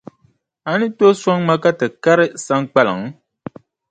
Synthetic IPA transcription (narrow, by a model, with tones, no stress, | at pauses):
a˨˦nɨ˦to˦swa˦ŋma˦ka˦tɨ˨ka˦ɾɨ˦sa˦ŋk͡pa˦la̰˨ŋ˦